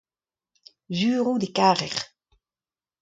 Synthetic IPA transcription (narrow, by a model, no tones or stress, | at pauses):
zyːʁud̪ekaːʁɛʁ